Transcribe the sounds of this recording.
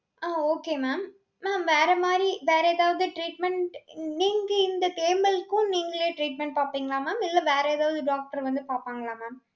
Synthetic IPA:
aːoːkeːmaːmː | aːmʋeːɾɐmaːd̪ɾiʋeːɾɛɛːðaːʋɐðɯʈɾiːʈ̚mɛɳʈniːŋɡɐɪnd̪ɐt̪eːmbɐlkʊ̃niːŋɡɐɭeːʈɾiːʈ̚mɛɳʈ̚paːpiːŋɡɐɭaːmaːmɪlːɐʋeːɾɐɛðaːʋɐðɯɖaːk̚ʈɐɾʋɐnd̪ɯpaːpaːŋɡɐɭaːmaːm

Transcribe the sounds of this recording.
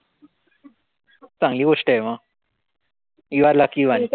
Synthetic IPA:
t͡sãŋɡliːɡoʂʈəemã | iʋaɾlakiʋani

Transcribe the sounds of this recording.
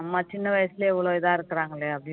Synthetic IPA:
mɐt͡ʃːinːɐʋɐjɐsileiʋːɐɭoːiðaːiɾɨkːɐraːŋɡɐɭːeɐði

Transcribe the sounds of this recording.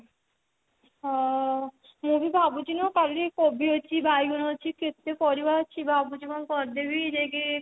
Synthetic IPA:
ɔ | mubʱibʱabud͡ʑinokalikobʱiɦot͡ɕʰibajɡunoɦot͡ɕʰiket̪ːepɔɾibaot͡ɕʰibʱabud͡ʑibonkɔɾd̪ebid͡ʒeɡe

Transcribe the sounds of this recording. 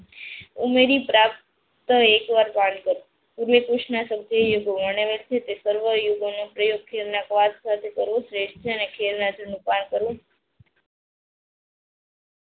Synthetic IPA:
umeɾipɾap̚ | t̪əekʋaɾpankəɾũ | puɾʋekuʃnasəɡd̪ʱejoɡoməɳ̃eʋelt͡ʃʰet̪esəɾʋəjoɡonopɾəjoɡ̚kʰeɾnakʋaskat̪ʰekəɾʋõsɾeʃʈt͡ʃʰeənekʰeɾnad͡ʒənũpankəɾʋõ

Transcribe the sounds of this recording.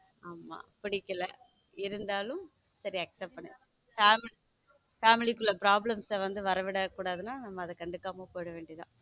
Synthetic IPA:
aːma̰ːpɪɽɪkːɐlɐ | ɪɾɯnd̪aːlɯm | sɐɾiɐksɛp̚pːɐɳːɐ̥ | faːmɪl | faːmɪlɪkːɯɭːɐpɾaːblɐmsɐʋɐnd̪ɯʋɐɾɐʋɪɽɐkːuːɽaːðɯnaːnɐmːɐːðɐkɐɳɖɯkːaːmoːpoːjɽɐʋeːɳɖiðã̰ː

